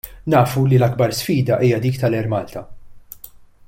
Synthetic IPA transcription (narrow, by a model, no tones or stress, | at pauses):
nɐːfulilɐɡbɐɾsfiːd̪ɐʔiːjɐd̪iːkt̪ɐlɛɾmɐːlt̪ʰɐ